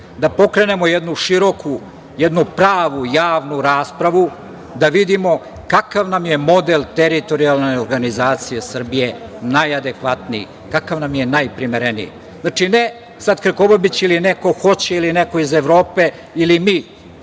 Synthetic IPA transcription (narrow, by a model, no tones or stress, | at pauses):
d̪apo̞kɾe̞ne̞mo̞jed̪nuʃiɾo̞kʰu | jed̪nupɾaːʋujaːʋnuɾaːspɾaʋu | d̪aʋid̪imo̞ | kakaʋnamje̞mo̞d̪elt̪eɾit̪o̞ɾialˠne̞oɾɡanizaːt̪sije̞sr̩bije̞najad̪e̞kʋat̪niḭ | kakaʋnamje̞najpɾimeɾenḭḭ | znat͡ʃine | sad̪kɾkobobit͡ɕilineko̞xo̞t͡ɕeilineko̞izeʋɾo̞ːpe̞ | ilimiː